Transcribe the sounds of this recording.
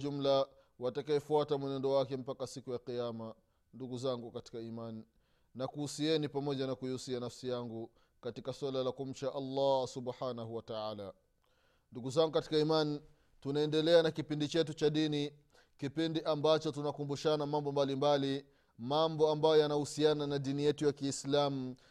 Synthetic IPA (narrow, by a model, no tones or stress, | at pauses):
ʄum̩la | watakaɛfuatamwɛnɛndɔwakɛm̩pakasikujaqijama | nduɡuzaŋɡukati̥kaiman | nakuusiɛnipamɔʄanakujiusianafsijaŋɡu | katikaswalalakum̩ʃaʔalːasubħanahuwataaːla | nduɡuzaŋɡukati̥kaiman | tunaɛndɛlɛanakipindit͡ʃɛt̬ut͡ʃaɗini | kipindiʔambat͡ʃɔtunakumbuʃanamambɔmbalimbali | mambɔambajɔjanahusiananaɗinijɛtujakiːslamu